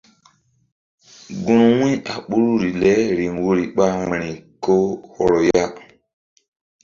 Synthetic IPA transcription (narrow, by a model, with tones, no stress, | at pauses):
ɡũ˦ɾu˨wĩ˦a˨ɓu˦ɾu˦ɾi˨lɛ˦ɾi˨ŋwo˦ɾi˨ɓa˦ŋi˨ɾi˨ko˦hɔ˨ɾo˨ja˦